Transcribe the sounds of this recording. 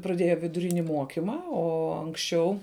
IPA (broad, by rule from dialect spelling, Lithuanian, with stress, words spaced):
prɐˈdʲeːjɛ ʋʲɪdʊˈrʲɪnʲɪ ˈmuɔkʲɪmɐ ˈoː ɐŋksʲˈt͡ʃʲɛʊ